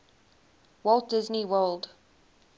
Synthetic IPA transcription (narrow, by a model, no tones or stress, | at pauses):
wɔlˠt̚d̥ɪzniwəlˠd